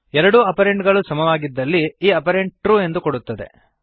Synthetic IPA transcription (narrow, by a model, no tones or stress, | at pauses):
ɛɾɐɽuɐpɐɾeɳʈɡɐɭusɐmɐʋaːɡid̪ːɐlːiːɐpɐɾeɳʈ̚ʈɾuːe̞nd̪ukoɽut̪ːɐd̪e̞̰